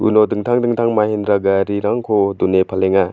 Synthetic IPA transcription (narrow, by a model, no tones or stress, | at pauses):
ṵnodɯŋtʰaŋdɯŋtʰaŋmahindɾaɡaɾiɾaŋkʰodunepʰaleŋa